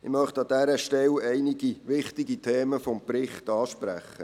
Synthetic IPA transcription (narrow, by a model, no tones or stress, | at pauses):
ɪmœχtɑd̥̪æɾəʃtɛlɛɪnɪɡiʋɪχtɪɡitʰeːməfɔmprɪχtɑːʃpɾæ̰χːə